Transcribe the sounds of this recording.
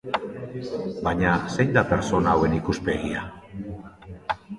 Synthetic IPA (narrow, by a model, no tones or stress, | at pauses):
baɲase̞jnd̪ape̞ɾso̞nawe̞nikuspe̞ɣia